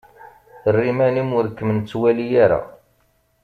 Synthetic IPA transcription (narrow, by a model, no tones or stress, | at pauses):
θərːimænimʊɾkːəmənt͡sːwælijaɾa̰